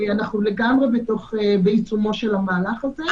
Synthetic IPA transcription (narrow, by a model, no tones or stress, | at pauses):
anaχnule̞ɡamʁebeto̞χebeit͡sumo̞ʃelamaːlaχaze